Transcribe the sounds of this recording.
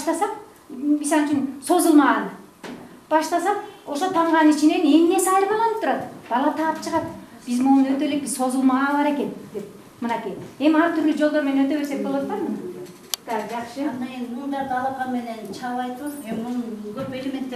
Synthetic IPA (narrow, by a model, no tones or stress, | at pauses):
ʃt̪ɑsɑq | misɑlˠɨt͡ʃynso̞zulˠmɑʁɑn | b̥ɑʃt̪ɑsɑqo̞ʃo̞t̪ʰɑɴʁɑnit͡ʃine̞ne̞ŋne̞sɑjɾɯmɑlˠɑnɯp̚t̪ʰuɾɑt̪b̥ɑlˠɑt̪ʰɑːpt͡ʃʰɯʁɑt̪ | b̥izmonøt̪ø̞lek̚bizso̞zulˠmɑʁɑnβɑɾeke̞nd̪e̞p̚ | mɯnɑkije̞miɑɾt̪ʰyɾlyd͡ʒo̞lˠd̪oɾme̞nenøt̪ø̞βe̞ɾse̞k̚bolˠot̪pɑmn | d̪ɑd͡ʒɑqʃɨnd̪ɑnmund̪ɑɾt̪ɑlˠɑp̚qɑnme̞ne̞nt͡ʃʰɑlˠɑjt̪ɯwɯzemmunɡøpe̞lemʲe̞nt̪ːe